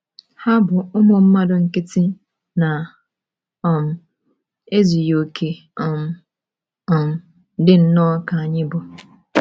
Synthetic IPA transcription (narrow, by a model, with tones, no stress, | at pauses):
ha˦bʊ˨ʊ˦mɔ˨m̩˦ma˦dʊ˨ŋ̩˨kɪ˦tɪ˦ | na˨ | ɔ˨n˨ | e˦zi˨jo˨kʰe˨ | ɔ˨m˨ | ɔ˨n˨ | dɪ˦n̩˦nɔː˦ka˨a˨ɲɪ˦bʊ˨